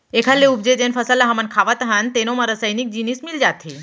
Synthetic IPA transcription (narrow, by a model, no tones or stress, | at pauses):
ekʰalːeubd͡ʑed͡ʑenfəsalaɦamankʰaʋat̪aɦant̪enoməɾəsəjnik̚d͡ʑinismild͡ʑat̪ʰe